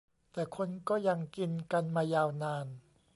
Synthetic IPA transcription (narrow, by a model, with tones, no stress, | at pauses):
t̪ɛː˨˩kʰo˧nkɔː˥˩ja˧ŋki˧nka˧nmaː˧jaː˧wnaː˧n